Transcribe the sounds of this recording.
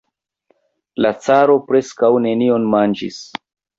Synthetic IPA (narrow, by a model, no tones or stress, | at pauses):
lat͡saɾo̞pɾe̞skawne̞nio̞nmand͡ʒḭs